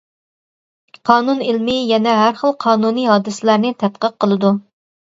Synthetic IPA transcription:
qʰɑːnunilmɪjɛnɛɦæɾχəlˠqʰɑːnuniːɦɑːd̪ɨsɪlæɾnɪt̪ʰɛt̪̚qəq̚qʰːəlˠɨd̪u

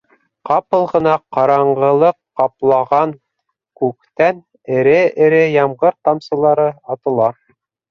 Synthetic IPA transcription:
qɑpɤ̆lˠʁɤ̆nɑqɑɾɑɴɢɤ̆lˠɤqːɑplˠɑʁɑn | kʉkt̪æn | ɘ̆ɾɘɘ̆ɾɘjɑmʁɤɾt̪ɑmsɤ̆lˠɑɾɤɑt̪ɤ̆lˠɑ

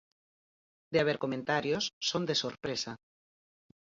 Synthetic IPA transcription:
d̪eaβ̞eɾkomẽnt̪aɾjosːond̪esoɾpɾesa

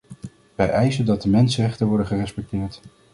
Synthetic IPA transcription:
ʋɛjʔɛjzəndɑt̚dəmɛnsərɛχtənʋɔɹdəχərɛspɛk̚tɪːɹt

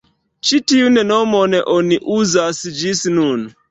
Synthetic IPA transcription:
t͡ʃitiunɛnɔmɔnɛʔɔniʔuzasid͡ʒisinun

